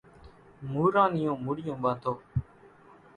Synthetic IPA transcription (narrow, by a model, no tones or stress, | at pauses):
muːɾãːnɪjõːmʊɽɪjõːɓaːt̪ʰoː